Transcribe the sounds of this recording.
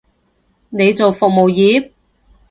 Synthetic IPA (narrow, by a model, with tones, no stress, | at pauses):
ne˨˧jt͡so˨wfʊ˨k̚mo˨wjiː˨˥p̚